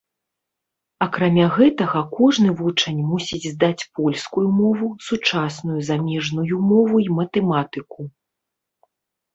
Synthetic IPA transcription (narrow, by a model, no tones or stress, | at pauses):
ɐkɾamʲaɣɛt̪ɐɣɐkɔʐnɨvut͡ʂɐnʲmusʲid͡zʲzd̪at͡sʲpɔlʲskujumɔvusut͡ʂasnujuzamʲɛʐnujumɔvuimɐt̪ɛmat̪ɨku